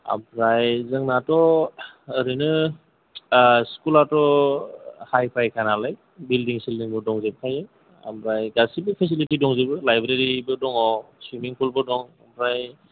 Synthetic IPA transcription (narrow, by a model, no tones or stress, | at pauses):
a̰bɾajzɯŋnatɔː | ɾɯnɯ | skulatɔ | hajpʰajkʰanalaj | bildiŋsilniŋbɯdɔŋzeb̚kʰajɯ | a̰mɾajɡasibipʰes̬ilitidɔŋzebɯlajbɾeɾibɯdɔŋɔsɾimiŋpʰulbɯdɔŋabɾaj